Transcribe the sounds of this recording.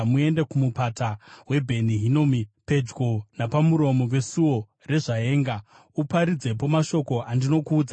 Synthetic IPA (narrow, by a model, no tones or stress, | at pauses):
mue̞ndekumupatawe̞bʱe̞niɦinoːmipe̞d͡ʒɡonapamuɾo̞mo̞we̞suwo̞ | re̞ʐae̞ːŋɡa | upaɾid͡ze̞p̬o̞maʃo̞ko̞andino̞kuːd͡za